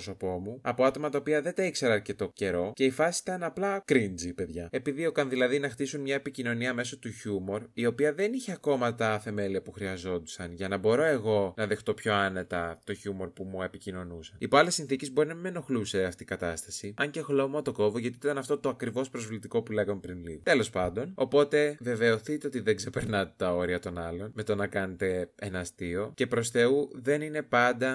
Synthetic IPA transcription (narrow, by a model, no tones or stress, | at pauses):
so̞po̞muɐpo̞ɐt̪o̞mɐt̪ɐopiɐðe̞t̪ɐikse̞ɾɐːɾce̞t̪o̞ce̞ɾo̞ce̞ifɐsist̪ɐnɐplɐkɾind͡zipe̞ðʝɐe̞piðiokɐnðilɐðinɐxt̪isunmɲɐepicino̞niɐme̞so̞t̪uçumo̞ɾio̞piɐðe̞niçeɐko̞mɐt̪ɐθe̞me̞liɐpuxɾiɐzo̞d̪u̥sɐnʝɐnɐbo̞ɾo̞e̞ɣo̞nɐðe̞xt̪o̞pço̞ɐne̞t̪ɐt̪o̞çumo̞ɾpumue̞picino̞nusɐnipoɐle̞sinθicezbo̞ɾinɐmimeno̞xluse̞ɐft̪iːkɐt̪ɐst̪ɐsiɐɲce̞ɣlo̞mot̪o̞ko̞voʝɐt̪it̪it̪ɐnɐft̪o̞t̪oɐkɾivo̞spɾo̞zvlit̪iko̞pule̞ɣɐme̞pɾinliðt̪elo̞spɐnd̪o̞no̞po̞t̪e̞ve̞ve̞o̞θit̪e̞ot̪iðeɡze̞pe̞ɾnɐt̪et̪ɐo̞ɾiɐt̪o̞nɐlo̞nme̞t̪onɐkɐne̞t̪e̞enɐst̪io̞ce̞pɾo̞sθe̞uðe̞nine̞pɐnd̪ɐ